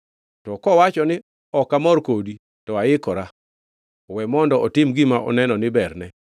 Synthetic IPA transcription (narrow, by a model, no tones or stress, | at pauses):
tɔkɔwat͡ʃɔnɪ | ɔkamɔrkodi | tɔaɪkɔɾa | wɛmɔndɔʔɔtɪmɡɪmaʔɔ̰nɛnɔnɪbɛrnɛ